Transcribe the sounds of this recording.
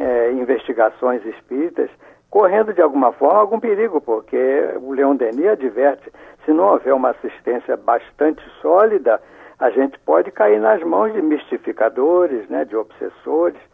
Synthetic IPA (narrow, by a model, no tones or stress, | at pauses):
ɛĩveʃt͡ʃiɡasõj̃ziʃpiɾit̪ɐ̰s | koɦẽnd̪ʊd͡ʒɪawɡũmɐfɔɾmɐawɡũpeɾiɡʊpoɾkeʊleõd̪eniɐd͡ʒivɛɾt͡ʃɪ̥sɪnɐ̃w̃avɛɾũmɐasiʃt̪ẽsiɐbaʃt̪ɐ̃nt͡ʃɪ̥sɔlid̪ɐ | aʒẽnt͡ʃɪ̥pɔd͡ʒɪkaiɾnɐzmɐ̃w̃zd͡ʒɪmiʃt͡ʃifikad̪oɾɪznɛd͡ʒɪobsḛsoɾɪs